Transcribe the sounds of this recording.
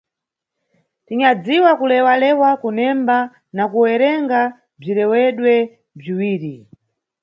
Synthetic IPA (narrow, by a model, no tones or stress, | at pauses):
tiɲad͡ziwakulɛwalɛwakunɛmba | nakuwɛɾɛŋɡa | b͡ʐiɾɛwɛɗwɛ | b͡ʐiwiːɾi